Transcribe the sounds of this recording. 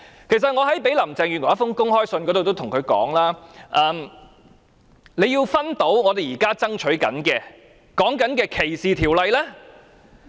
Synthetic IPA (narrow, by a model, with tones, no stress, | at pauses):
kʰe˨˩sɐ˨t̚ŋɔː˨˧ɦɐ˨˥jpe˨˥jlɐ˨˩mt͡sɛː˨ŋɥyː˨nwɔ˨˩ɐ˥fʊ˥ŋkʊ˥ŋhɔː˥jsɵ˧nkɔː˨˥ɾo˨wt̪o˥wt̪ʰʊ˨˩ŋkʰɵ˨˧ɥkɔ̰ː˨˥ŋlaː˥ʔɐː˧m | le˨˧jiː˧wfɐ˥nt̪o˨˥wŋɔː˨˧t̪̬e˨jiː˨˩kaː˥t͡sɐ˥ŋt͡ʃʰɵ˨˥ɥkɐ̰˨˥nkɛː˧ | kɔː˨˥ŋkɐ˨˥nkɛː˧kʰe˨˩jsiː˨˩t̪ʰiː˨˩wlɐ˨jlɛː˥